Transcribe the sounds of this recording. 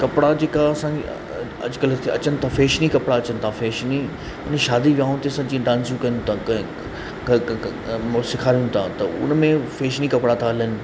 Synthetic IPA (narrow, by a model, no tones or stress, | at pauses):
kɐpɪɽad͡ʑeːkaɐsã | ɐ̰d͡ʑʊkɐlt̪ʰeɐ̰t͡ɕənɪ̆t̪ʰãfeːʃnikɐpɽaɐt͡ɕənɪ̆t̪ʰafeːʃni | ʊnʃaːd̪iʋiaːʊ̃t̪ʰeɐsãːd͡ʑĩːɖãːnsjũkɐj̃t̪ʰãɐ | msɪkʰaːɾijũt̪ʰãt̪ɐʊ̰n̤mẽfeːʃnikɐpɽat̪ʰaɐlənɪ̆